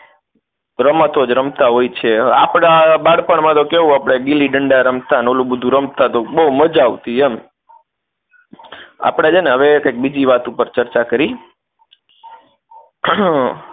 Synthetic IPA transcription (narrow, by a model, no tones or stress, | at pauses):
ɾəmat̪od͡ʒɾəmt̪aɦojt͡ʃʰeapɽ̃abaɽpəɳmãt̪okeɦũapɽ̃eɡiliɖəɳɖaɾəmt̪anolũbəd̪ʱũɾəmt̪at̪obəuməd͡ʒaʋt̪iem | a̰pɽ̃ed͡ʒeneɦəʋekajk̚bid͡ʒiʋat̪upəɾt͡ʃəɾt͡ʃakəɾi